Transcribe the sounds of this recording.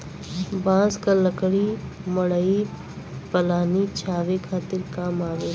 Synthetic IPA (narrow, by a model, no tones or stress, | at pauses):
bãːskaləkɽi | mɐɽəi | pəlaːnit͡ʃʰaːʋekʰaːt̪ɪɾkaːmaːʋeː